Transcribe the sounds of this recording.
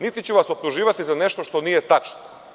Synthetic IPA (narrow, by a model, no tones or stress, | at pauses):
nit̪it͡ɕuʋaso̞p̚t̪uʒiːʋat̪izane̞ʃt̪oʃt̪o̞nijet̪at͡ʃno